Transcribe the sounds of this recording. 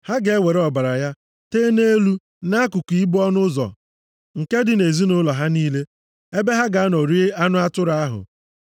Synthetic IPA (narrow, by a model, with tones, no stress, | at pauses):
ha˦ɡe˨˦we˨ɾe˦ɔ˨ba˨ɾa˨ja˦ | teː˦ne˦lu˦ | na˦a˦kʊ˨kʷi˨˦bɔ˦nʊ˦zɔ̰˨ | ŋ̩˨ke˦dɪ˨ne˨zi˦nʊ˦lɔ˨ɦa˦niː˦le˦ | e˦be˦ɦa˦ɡa˨a˦no˨ɾi˦e˦a˦nʊ˦a˦tʊ˦ɾa˦ɦʊ̰˨